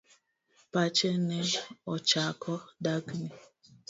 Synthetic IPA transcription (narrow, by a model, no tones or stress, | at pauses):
pat͡ʃeneɔt͡ʃakʰɔdaɡni